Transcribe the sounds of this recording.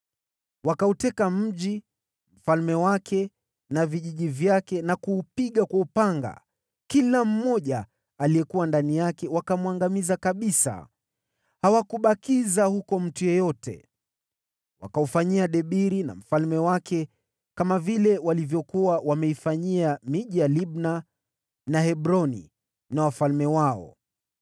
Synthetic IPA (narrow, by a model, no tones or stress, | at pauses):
wakautɛkam̩ʄi | m̩falmɛwakʰɛ | naviʄiʄivjakɛnakuːpiɠakwaupaŋɡa̰ | kilam̩mɔʄaː | lijɛkuwandanijakɛwakamuwaŋɡamizakaɓisa̰ | hawakuɓakizahukɔm̩tujɔjɔtʰɛ̰ | wa̰kaufaɲiaɗɛɓiɾina̰m̩falmɛwakʰɛ | kamavilɛwalivjɔkuwawamɛifaɲiamiʄijaliɓna | nahɛɓɾɔnḭ | nawafalmɛwaɔ̰